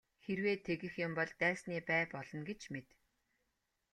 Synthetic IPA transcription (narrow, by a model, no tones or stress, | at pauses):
xerweːt̪ʰeɣɘ̆xjʊmpɔɮt̪æːsniːpæːpɔɮɞ̆nɡet͡ɕmet̪